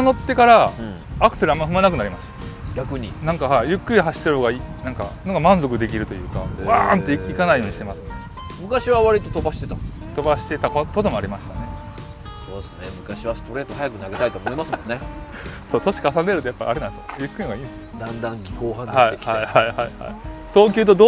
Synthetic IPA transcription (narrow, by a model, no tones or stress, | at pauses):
ano̞t̪ːe̞kaɾã | akɯ̟se̞ɾɯamːaiɸɯ̟manak̬ɯnaɾʲimaɕi̥t̪ḁɡʲakɯ̟ɲ̟inãŋkahaijɯ̟kːɯ̟ɾʲiɦaɕi̥t̪eɾoɡaiːnãŋka̰snoɡamãnzo̞kɯ̟d̪e̞k̬ʲiɾɯ̟t̪o̞jɯ̟ːka̰βaːnt̪ːe̞iikanaijo̞ːɲ̟iɕi̥t̪emasɨn | mɯ̟kaɕiβaβaɾʲit̪o̞t̪o̞baɕi̥t̪e̞t̪ãnd̪e | t̪o̞baɕi̥t̪e̞t̪akot̪od̪e̞moaɾʲimaɕi̥t̪ane̞ | so̞ːsɨnemɯ̟kaɕiβast̪o̞ɾe̞ːt̪oɦajakɯ̟naɡe̞t̪ait̪o̞ːmo̞imasɨmõ̞nːe | so̞ːt̪o̞ɕi̥kaas̬ãnd̪eɾɯt̪ojapːa̰ʔa̰ɾenãnsojɯ̟kːɯɾinoɡaĩːnd̪esɨ̥d̪ãnd̪ãŋɡʲiko̞ːɦãnhaiahaihaiha̰it̪o̞ːk̬ʲɨ̟ːt̪̬o̞d̪o